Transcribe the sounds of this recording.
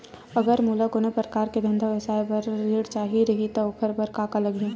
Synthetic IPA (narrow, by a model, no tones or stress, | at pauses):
ɐɡəɾmuːlakonepɾɐkaːɾked̪ʱɐ̃nd̪ʱaʋɐsaːepɐɾɾeːɽt͡ʃaːɦiɾɐɦit̪oʊkʰəɾbɐɾkaːkalɐɡjũː